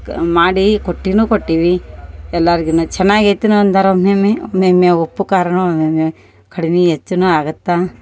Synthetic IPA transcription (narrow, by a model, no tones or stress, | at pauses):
maːɽikoʈːinuːkoʈːiʋiɛlːaɾiɡinut͡ʃɛnːaːɡet̪ːinuɐnd̪aːɾomemeomeːmjeopːukaːɾɐɳuomeme | kɐɽiniɦet͡ʃːunuaːɡɐt̪ːa